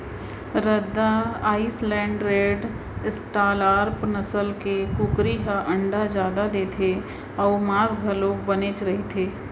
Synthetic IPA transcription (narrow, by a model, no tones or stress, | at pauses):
ɾəd̪ːaaːislɛ̃ːɳɖɾeːɖ | ɪsʈaːlaːɾpnəsəlkekʊkɾiɦaʔə̃ɳɖad͡ʒjaːd̪ad̪eːt̪ʰe | ɔːmaːsɡʱɐloːbənet͡ʃɾɐɦit̪ʰeː